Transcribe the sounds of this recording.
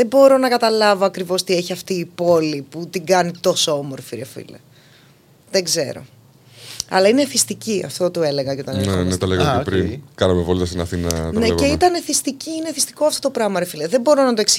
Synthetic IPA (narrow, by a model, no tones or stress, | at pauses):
ðebo̞ɾo̞nɐkɐt̪ɐlɐvoɐkɾivo̞st̪ieçiɐft̪iːpo̞liput̪iɡɐnit̪o̞soomoɾfiɾefḭlḛ | ðeɡze̞̰ɾo̞̰ | ɐ̰lɐineθist̪iciɐ̰ft̪o̞t̪ue̞le̞ɣɐceo̞t̪ɐnenenet̪ɐleɣepɾinkɐnɐmevolit̪ɐst̪inɐθinɐ̰t̪neeit̪ɐne̞θist̪iciineθist̪i̥ko̞ɐft̪o̞t̪opɾɐmɐɾefilɐðebo̞ɾo̞nɐt̪oeksi